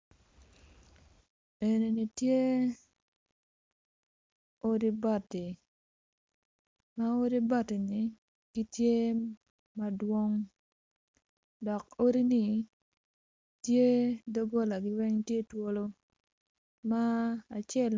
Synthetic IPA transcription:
e˨ne˨ni˨tje˦ | o˦ɾi˦ba˦˨ti˨ | ma˦o˦ɾi˦ba˦ti˨ni˨ | ki˦tje˦ | ma˦dwo˦ŋ | dɔ˨ko˦ɾi˦ni˨ | tje˦do˦ɡo˦la˨ɡɪ˦wɛ˦ŋtje˦two˦lo˦ | ma˦a˨t͡ʃɛ˦˨l

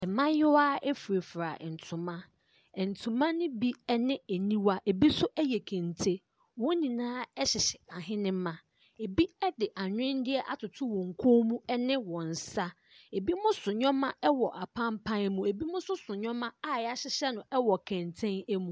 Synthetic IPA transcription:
ɛ˨mã˦jɪ˦wa˦e˦fu˨ɾe˨fɾa˨n̩˨tʰʊ̃˨mã˦ | ɛ˨n̩˨tʰũ˨mã˦nɪ̃˦bi˦ɛ˦nɪ̃˦e˨nĩ˦wa˦ʔe˨bi˦sʊ˦ʔɛ˦jɛ˨kʰɛ̃˨ntʰe˦ | wɔ̃˦nĩ˨nãː˦ɛ˦ɕɪ˨ɕɪ̥˨a˨ɦɪ̃˦nɪ̃˦mã˨ | e˨bi˦ɛ˦dɪ˨ʔa˨ɲᶣ˦ɪ̃˦n˦dɪ˦ɛ˦ʔa̰˦tʰʊ˨tʰʊ˦wɔ̃˨ŋ̩˨kʰõ˦mũ˦ɛ˦nɪ̃˦wɔ̃˨n̩˨sa˦ | e˨bi˦mʊ̃˦sʊ̃˨ɲᶣɔ̃˦mã˦ɛ˦wɔ˨ʔa˨pʰã˦m˦pʰã˦nɛ˦mũ˦e˨bi˦mʊ̃˦sʊ˦sʊ̃˨ɲᶣɔ̃˦mã˦a˦˨ja˦ɕɪ˦ɕɛ˦nʊ̃˨ʔɛ˦wɔ˨kʰɛ̃˨ntʰɛ̃˦nɛ˦mũ˦˨

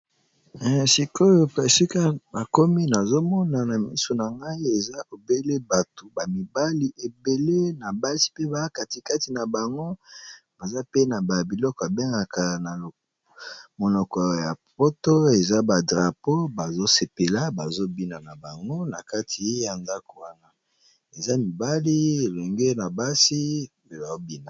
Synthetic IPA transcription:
si˨ko˦jo˦˨e˨si˦ka˦na˨ko˦mi˦na˨zo˦mɔ˦na˨na˨mḭ˦so˨na˨ŋɡa˦i˦e˨za˦o˨be˦le˦ba˨to˨ba˨mi˨ba˦li˨ʔe˨be˨le˦na˨ba˦si̥˦pe˦ba˨a˦ka˨ti˨ka˦ti˨na˨ba˨ŋɡo˦b̥a˨za˦pe˦na˨ba˨bi˨lɔ˦kɔ˨a˨be˦ŋɡa˨ka˨na˨lo˨ | mo˨nɔ˨kɔ˨ja˨po˦to˦e˨za˦ba˨dʁa˨po˦ba˨zo˦se˨pe˨la˦ba˨zo˦bi˦na˨na˨ba˨ŋɡo˦na˨ka˦tʰi˨e˦ja˨nda˦ko˨wa˦na˦ | e˨za˦mi˨ba˦li˦e˨le˨ŋɡe˦na˨ba˦si˦ | e˨ba˨o˦bi˦na˨

